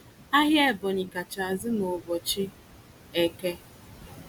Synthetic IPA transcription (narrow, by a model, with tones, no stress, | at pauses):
a˦ɦje˦˨bɔ˨ɲi˨ka˨t͡ʃa˨zɪ˦no˨bɔ˨t͡ʃɪ˦ | e˨ke˦